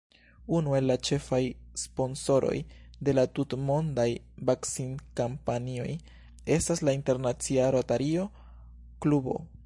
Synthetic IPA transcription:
unue̞lːat͡ʃe̞fajspo̞nso̞ɾo̞̰jde̞latutmo̞ndaj | baksinkampanio̞̰j | e̞staslainte̞ɾnat͡siaɾotaɾio̞ | klubo̞̰

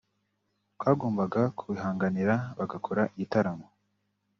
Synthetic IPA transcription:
twaːɡoːmbaɡakʰuβiɦaːŋɡaniɾaβaɡakʰoɾaʔiitaɾamo

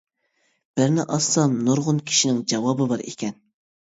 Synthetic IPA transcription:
b̥ɪɾnɪʔɑsɑnnoɾʁʊnkʲʰi̥ʃinɪŋd͡ʒɑwɑːbɨbɑɾḛkʲʰɛn

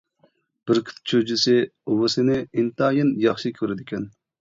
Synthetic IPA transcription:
b̥ɪɾkʲʰɪ̥t̪̚ʰt͡ʃʰød͡ʒisɪuwɨsɪnɪint̪ɑːjɪnjɑχʃikʲʰøɾɪd̪ɪkʲɛn

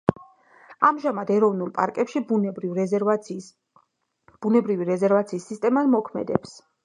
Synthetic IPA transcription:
amʒamad̪ɛɾɔvnulˠpʼa̰ɾkʼɛpʃibɾi | b̥unɛbɾiviɾɛzɛɾvat̪sʰiːsːist̪ʼɛmad̪mɔkʰmɛ̰d̪ɛps

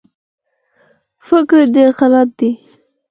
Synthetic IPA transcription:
fɪkɾɖeɾxalat̪̚d̪i

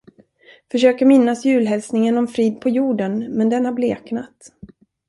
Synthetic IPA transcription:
fœʂøːkaɾmɪnːasjʉ̟ːlɦɛlsnɪŋənɔmfɾiːd̪̚pʰɔjuːɖənmɛnd̪ɛnhaɾbleːknat̪

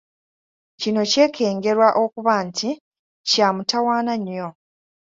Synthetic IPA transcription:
cino̞ce̞ːkʰe̞ːŋɡe̞ɾwaʔo̞kuβantʰi | caːmutawaːnaɲːo̞

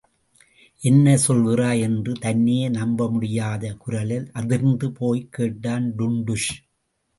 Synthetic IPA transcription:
ʔɛnːɐsɔlɣɪraːɛndrɯt̪ɐnːeːnɐmbɐmʊɽɪjaːðɐkʊɾɐlɪlʔɐðɪɾnd̪ɯpoːjkːeːʈːaːnɖʊɳɖɯʂ

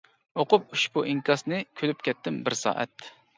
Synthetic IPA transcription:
oqʊp̚uʃbuʔiŋkɑsnɨkʲʰølyp̚kʲʰɛt̪ːɪmbɪɾsɑ̰ːʔɛ̰t̪̚

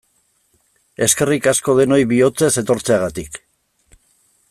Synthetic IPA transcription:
e̞ske̞rikasko̞ð̞e̞no̞jβio̞t͡se̞se̞t̪o̞ɾt͡se̞aɣat̪ik

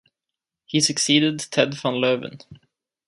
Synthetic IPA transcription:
hisɨksiːdɨd̪̚tʰɛdfə̃nlovə̰̃n

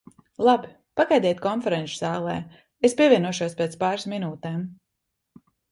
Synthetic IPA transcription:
lˠabi | paɡajd̪ɛt̪ʲkɔnfɛɾɛnʃz̥aːlˠɛ̰ː | espʲiɛvʲiɛnuɔʃuɔspeɛːt̪spaːɾsminuːt̪ɛːm

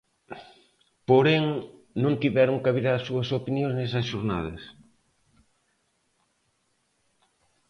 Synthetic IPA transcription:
poɾeŋ | nõnt̪iβɛɾoŋkaβiɾasuɐsopinjõŋsnɛsɐsʃoɾna̰ð̞ɐ̰s

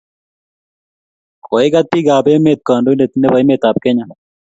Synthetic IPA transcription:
kʰoiɡat̪̚piːɡaːbeːmeːt̪̚kaːnɖoindet̪nebɐjmeːt̪aːp̚keɲa

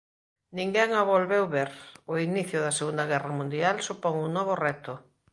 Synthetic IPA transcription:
nĩŋɡɛŋaβolβewβeɾoiniθjʊðɐseɣund̪aɣɛramũnd̪ialsupoŋunɔβ̞orɛt̪ʊ

